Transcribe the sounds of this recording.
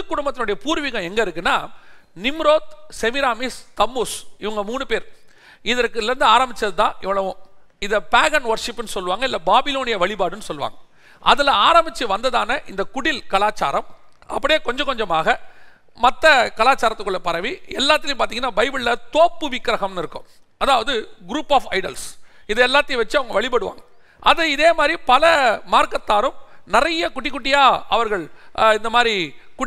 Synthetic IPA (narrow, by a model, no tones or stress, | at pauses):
ɯkːʊɽʊmbɐt̪ːɪnʊɽɐjɐpuːɾʋɪɣɐ̃mɛŋɡɐɪɾɯkːɯnːaːnɪmɾoːt̪̚sɛmɪɾaːmiːst̪ɐmːoːsɪʋɐŋɡɐmuːnɯpeːɾ | ɪðɐɾkːɯlːɐɾɯnd̪ɯaːɾɐmbɪt͡ʃːɐðɯt̪ãːʔɪʋːɐɭɐʋʊ̃ | ɪðɐpaːɣɐnʋɐɾʂɪpːɯnːɯsɔlːɯʋaːŋɡɐɪlːɐbaːbɪloːnɪjɐʋɐɭɪpaːɽɯnːɯsɔlːɯʋa̰ːŋɡɐ | ʔɐðɪlɐaːɾɐmbɪt͡ʃːɯʋɐnd̪ɐðaːnɐʔɪnd̪ɐkʊɽɪlkɐlaːt͡ʃa̰ːɾɐm | ɐpːɐɽɪjeːkɔɲd͡ʒɐ̃kɔɲd͡ʒɐmaːɣɐ | mɐt̪ːɐkɐlaːt͡ʃːaːɾɐt̪ːɯkːɯɭːɐpɐɾɐʋiɛlːaːt̪ːɪlɪmpaːɾt̪iŋɡɐnːaːbɐɪbɯɭlɐt̪oːpːɯʋɪkːɾɐɣɐmnɪɾɯkːɯ̰m | ɐðaːʋɐðɯɡɾuːpːaːfɐɪɽɐ̰lsɪðɛɛlːaːt̪ːɪjʋɐt͡ʃːɯɐʋɐŋɡɐʋɐɭɪp̬ɐɽɯʋa̰ːŋɡɐ | ʔɐðɯɪðeːmaːd̪ɾipɐlɐmaːɾkɐt̪ːaːɾɯmnɪrɐjɐkʊʈːɪkːʊʈːɪjaːɐ̰ʋɐɾɣɐɭɪnd̪ɐmaːd̪ɾikʊ